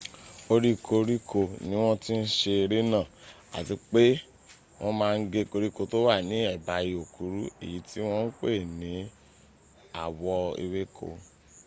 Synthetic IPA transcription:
o˧ɾi˦ko˧ɾi˦kʰo˧˨nĩ˦w̃ɔ̃˦ti˦n̩˦ʃe˧ɾe˦nãː˦˨ | a̰˨ti˨˦k͡pe˦ | w̃ɔ̃˦mãː˧˦˧n̩˦ɡe˧ko˧ɾi˦ko˧˨to˦wa˦˨nĩ˨˦ɛ˦˨ba˨˦ji˧o˨ku˨˦ɾu˦e˨ji˨˦tʰi˦w̃ɔ̃˦n̩˦k͡pe˦˨nĩ˨˦ | a̰˨wɔ˧ḭ˧we˦kʰo̰˧

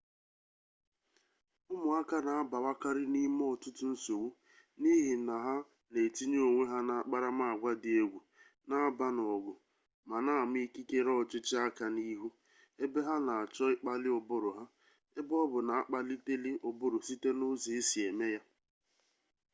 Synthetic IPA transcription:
ʊ˦mʊ˨a˦ka˦na˨a˦ba˨wa˦ka˦ɾɪ˦ni˦m˦ɔ˦˨tʊ˦tʊ˦n̩˦so˨wu˦ | ni˦ɦi˨na˨ɦa˦ | le˨ti˦ɲe˦o˨ŋʷe˦ɦa˦na˨a˨k͡pa˦ɾa˦ma˦˨a˨ɡʷa˦dɪ˨e˦ɡʷu˨ | na˦ba˦nɔ˨ɡʊ˨ | ma˨na˦a˨m˦i˦ki˦ke˦ɾɔ˦˨t͡ʃɪ˦t͡ʃɪ˦a˦ka˨ni˦ɦu˦ | e˦be˦ɦa˦na˨a˨t͡ʃɔ˦ɪ˦k͡pa˦lɪ˦ʊ˨bʊ˦ɾʊ˨ɦa˦ | e˦bɔ˦bʊ˨na˨a˦k͡pa˦li˦te˦lɪ˦ʔʊ˨bʊ˦ɾʊ˨si˦te˦nʊ˦zi˨ɪ˦si˨e˨me˦ja˦

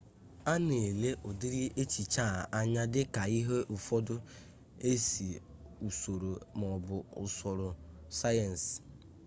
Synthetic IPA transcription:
a˦ne˨le˦ʔɔ˨di˦ɾi˦ʔe˦t͡ʃi˨t͡ʃa˦˨a˦ɲa˦dɪ˦ka˨i˦ɦe˦ʔʊ˨fɔ˦dʊ˦ | e˦si˨u˨so˨ɾo˨mɔ˨bʊ˨ʊ̰˨sɔ˨ɾʊ˨ | sa˦jɛ˨n̩˨s

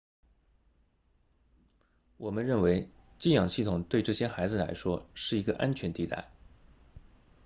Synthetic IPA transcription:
wɔ˨˩mə˦nɻə˥˩nwe˧˥ɪt͡ɕi˥jɑ˨˩ŋɕi˥˩t̪ʰʊ˨˩ŋt̪we˥˧ɪʈ͡ʂɤ˥˩ɕjɛ˥xa˧˥ɪd͡zɹ̩˥˧la̰˧˥ɪʂwɔ˥ʂɻ̩˥˩i˧˥ɡə˧ʔa˥nt͡ɕʰɥɛ˧˥nt̪i˧˩t̪a̰˥˩ɪ

